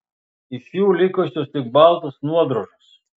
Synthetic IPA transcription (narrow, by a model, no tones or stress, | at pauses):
ɪʃjuːlʲɪkɔsʲost̪ʲɪk̚bɑlˠt̪osnuɔd̪ɾoʒos